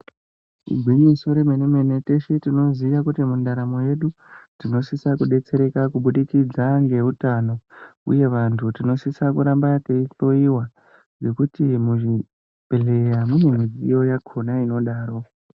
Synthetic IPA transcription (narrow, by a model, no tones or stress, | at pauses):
ḭɡʱwiɲiso̞ɾemenemenete̞ʃetino̞ziʋakutimundaɾamo̞je̞ɗutino̞sisakuɗe̞t͡se̞ɾe̞kakuɓuɗikid͡zaŋɡe̞utano̞ṵje̞ʋantʰutino̞sisakuɾambate̞iɬo̞iwa | ʐe̞kutimuʐi | pele̞jamune̞mid͡zijo̞jakʰo̞naino̞ɗaːɾo̞